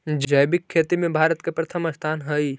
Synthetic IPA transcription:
d͡ʒd͡ʒəjbikʰːeːt̪imẽbʱaːɾət̪kepɾət̪ʰəməst̪ʰaːnɦəi

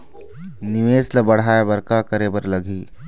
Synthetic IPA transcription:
niʋeːsləbəɽ̤aːebəɾkakəɾebəɾləɡʱiː

